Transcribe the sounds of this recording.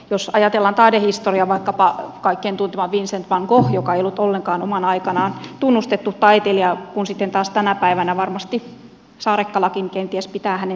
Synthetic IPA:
josɑjɑt̪elːɑnt̪ɑidehist̪oriɑʋɑikːɑpɑkɑikːeːnt̪unt̪emɑʋʋinsent̪ʋɑŋkohjokɑeijolːut̪olːeŋkɑːnomɑnɑikɑnɑːnt̪unːust̪et̪ːutt̪ɑit̪eliɑkunsit̪ːent̪ɑːst̪ænæpæiʋænæʋɑrmɑst̪i | sɑːɾekːɑlɑkinkent̪iæspit̪æːhæne

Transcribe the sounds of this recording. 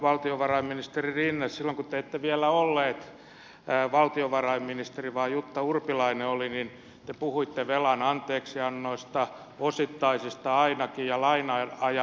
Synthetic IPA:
ʋɑlt̪ioʋɑrɑimminist̪eririnːessilːoŋkut̪eet̪ːeʋiælæolːeːt̪ː | ʋɑlt̪ioʋɑrɑimminist̪eriʋɑːjut̪ːɑurpilɑineolinin | t̪epuhuit̪ːeʋelɑnɑnt̪eːksiɑnːoist̪ɑ | osit̪ːɑisist̪ɑɑinɑkijɑlɑinɑɑjɑ

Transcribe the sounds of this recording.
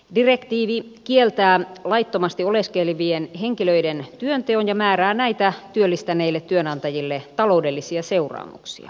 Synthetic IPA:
direkt̪iːʋi | kielt̪æːlɑit̪ːomɑst̪ioleskeliʋienheŋkiløident̪yønt̪eonjɑmæːræːnæit̪æt̪yølːist̪æneːilːet̪ːyønɑnt̪ɑjilːet̪ɑlo̞udelːisiɑseurɑ̰ːmṵksḭɑ̰

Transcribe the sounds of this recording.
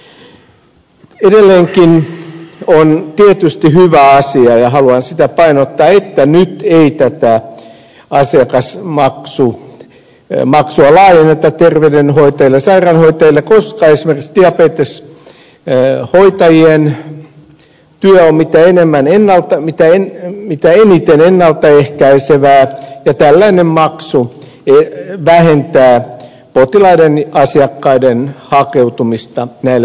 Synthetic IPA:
edelːeːŋkin | ont̪iet̪yst̪ihyʋæɑsiɑjɑhɑluɑnsit̪æpɑinot̪ːɑːet̪ːænyt̪eit̪æt̪æ | ɑsiɑkɑsmɑksu | mɑksuɑlɑːjenːet̪ɑt̪erʋedenhoit̪ɑjilːˑesɑirɑnhoit̪ɑjilːˑekoskɑːesimerki̥ksd̪iɑpeːt̪es | hoit̪ɑjien | t̪yøommit̪æenemːænenːɑlt̪ɑmit̪æemit̪æenit̪enenːɑlt̪ɑehkæiseʋæːjɑt̪ælːæinemmɑksu | eʋæhent̪æː | pot̪ilɑidenɑsiɑkːɑidenhɑkeut̪umist̪ɑnæilːe

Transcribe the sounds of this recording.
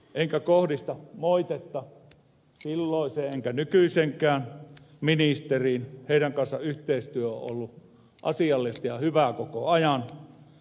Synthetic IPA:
ʔeŋkækohdist̪ɑmoit̪et̪ːɑ | silːoˑiseeŋkænykyiseŋkˑæːn | minist̪eriːnheˑiɾæŋkɑnsːɑ̰ʔyht̪eˑist̪yøo̰ʔʔo̰lːu | ʔɑ̰siɑlːist̪jɑhyʋækokoɑjɑn

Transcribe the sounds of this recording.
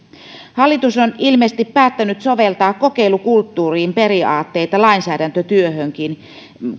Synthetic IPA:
hɑlːit̪usonilmeːst̪ipːæːt̪ːænyt̪soʋelt̪ɑːkkːokeilukult̪ːuːriːmperiɑːt̪ːeit̪ɑlɑinsæːdænt̪øt̪yøhøŋkin

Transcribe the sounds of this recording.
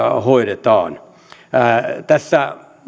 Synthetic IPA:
hoiɾet̪ɑ̰ːn | t̪æsːæ

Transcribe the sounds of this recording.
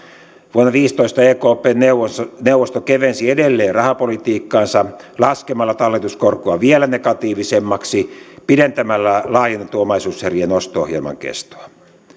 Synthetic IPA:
ʋuonːɑʋiːst̪oist̪ɑeːkoːpeːnneneuwʋːost̪okeʋensiedelːeːrrɑhɑpolit̪iːkːɑːnsɑlɑskemɑlːɑt̪ɑlːet̪uskorkuɑʋielænekɑt̪iːʋisemːɑksipident̪æmælːælɑːjenːɑt̪uomɑisuːsherienost̪oo̰hjḛlmɑ̰ŋkḛst̪o̥ɑ

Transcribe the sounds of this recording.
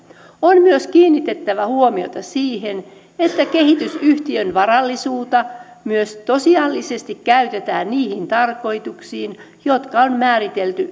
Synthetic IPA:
onmyøskiːnːit̪et̪ːæʋæhuomio̰t̪ɑsiːhen | et̪ːækehit̪ysyht̪iønʋɑrɑlːisuːt̪ɑ | myøst̪osiɑlːisest̪ikkæyt̪et̪æːnniːhint̪ɑrko̞it̪uksiːn | jot̪kɑonmæːrit̪elt̪y

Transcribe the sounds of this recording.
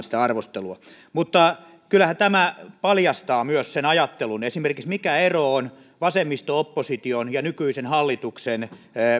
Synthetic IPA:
nsi̥t̪æɑrʋost̪eluɑ | mut̪ːɑ | kylːˑæhæt̪æmæpɑljɑst̪ɑːmyøssenɑjɑt̪ːelunesimerkiksmikæeroon | ʋɑsemːist̪oopːosit̪ionjɑnykyisenhɑlːit̪uksen

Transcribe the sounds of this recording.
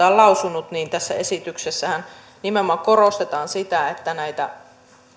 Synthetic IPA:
ɑːlɑusunut̪niːnt̪æsːæe̞sit̪yksesːæhæn | nimeomːˑɑŋkorost̪et̪ɑːnsit̪æet̪ːænæjt̪æ̰

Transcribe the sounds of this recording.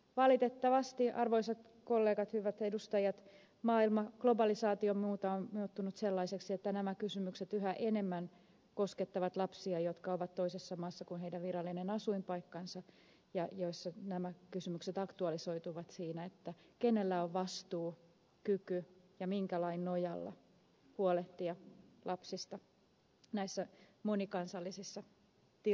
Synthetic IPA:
ʋɑlit̪et̪ːɑʋɑst̪iʔɑrʋoisɑt̪ | kolːeːɡɑt̪hyʋæt̪edust̪ɑjɑt̪ | mɑːilmɑɡ̥lobɑlisɑːt̪iommuːt̪ɑonmiut̪ːunut̪selːɑiseksiet̪ːænæmækysymykset̪yɦæʔene̞mːæn | ko̞sket̪ːɑʋɑt̪lɑpsiɑjot̪kɑoʋɑt̪toisesːɑmɑːsːɑkunɦeidæʋʋiɾɑlːinenɑsuimpɑikːɑnsɑ | jɑjoisːɑnæmækysymykset̪ɑkt̪uɑlisoit̪uʋɑt̪siːnæet̪ːækenelːæoʋʋɑst̪uː | kykyjɑmiŋkælɑinnojɑlːɑ̰ | huoleht̪iɑlʔɑpsist̪ɑ | næisːæmonikɑnsɑlːisisːɑ | t̪i

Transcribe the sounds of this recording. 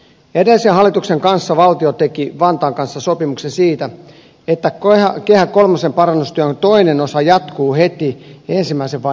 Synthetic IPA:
edelisenhɑlːˑit̪ukseŋkɑnsːɑʋɑlt̪iot̪ekiʋɑnt̪ɑːŋkɑnsːɑsopimuksensiːt̪æ | et̪ːækehæko̞lmɑsempɑɾɑnːust̪yæt̪oinenosɑjɑt̪kuːhe̞t̪iensimːˑæiseʋʋɑ

